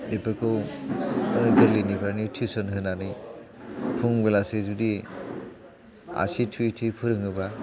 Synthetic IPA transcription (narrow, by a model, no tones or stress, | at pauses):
epɯkʰɯw | ɯɡɯɾlinibanitʰisɔnhɯnanɯj | pʰuŋbelasezudi | a̰sitʰuitʰipʰɯɾɯŋɯba